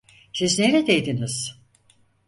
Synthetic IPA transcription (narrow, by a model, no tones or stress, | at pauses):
sizneɾɛd̪ejd̪iniz̥